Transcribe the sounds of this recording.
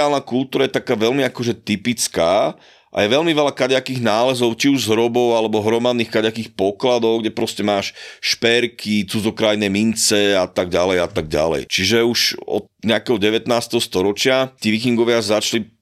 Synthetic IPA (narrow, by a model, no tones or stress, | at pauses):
alnakult̪uːɾajɛt̪akaːʋɛlmiakɔʒɛt̪ipit͡skaː | ʔa̰jɛʋɛlmiʋɛlakaɟakiːɣnaːlɛzɔʊt͡ʃiuʒzɦɾɔbɔʊalɛbɔɦɾɔmad̪niːxkaɟakiːxpɔklad̪ɔʊɡɟɛpɾɔscɛmaːʃʃpɛɾkʰit͡sud͡zɔkɾajnɛmint͡sɛat̪aɡɟalɛjat̪aɡ̚ɟa̰lɛ̰jt͡ʃiʒɛuʃɔ̰t̪ɲɛakɛɦɔɟɛʋɛt̪naːst̪ɛɦɔst̪ɔɾɔt͡ʃɪat̪iːʋikiŋɡɔʋɪazat͡ʃli